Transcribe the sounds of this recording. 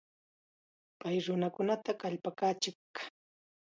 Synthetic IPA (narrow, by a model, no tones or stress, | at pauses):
pajɾʊnakʊnat̪akaʎpakaːt͡ʃɪkːḁ